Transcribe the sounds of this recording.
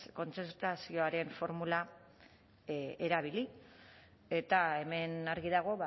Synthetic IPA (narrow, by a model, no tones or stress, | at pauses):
ko̞nt͡seɾt̪asio̞aɾe̞ɱfo̞ɾmula | eɾaβ̞ili | e̞t̪ae̞me̞naɾɣiðaɣ̞o̞βa